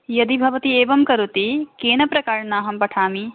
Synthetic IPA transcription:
jɐd̪ibʱɐʋɐt̪ieːʋɐmkɐɾut̪ikeːnɐpɾɐkaːɾɐnaːɦɐmpɐʈʰaːmi

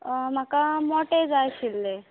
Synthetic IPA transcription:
m̤akamɔʈed͡zajɕilːe

